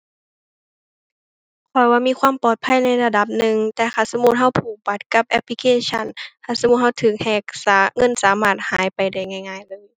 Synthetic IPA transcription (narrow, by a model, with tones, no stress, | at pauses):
kʰɔ˨˩jwaː˧miː˧˥˨kʰwaː˧˥˨mpɔː˨˩t̪̚pʰa˧˥˨jna˧˩˨jla˧da˧˦p̚nɯ˨˧˨ŋt̪ɛː˧˩kʰaː˧˩sa˧mu˧˥t̪̚ɦa˧˥˩wpʰuː˨˩pa˨˦˩t̪̚ka˧˩p̚ʔɛ˧˥p̚li˧kʰeː˧˥˨t͡ɕʰa˧˨nkʰaː˧˩sa˧mu˧˥t̪̚ha˧˥˩wt̪ʰɯː˨˩k̚hɛː˧˩k̚sa˨˧˦ŋɤ˧˥˨nsaː˨˦maː˧˥˩t̪̚haː˨˦jpa˨˩jda˧˩jŋa˧˩jŋaː˧˩jlɤː˧˥˨j